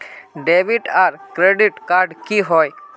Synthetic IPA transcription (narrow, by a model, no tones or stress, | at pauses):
ɖebiʈaɾkɾeɖiʈkaːɾɖkiɦɔj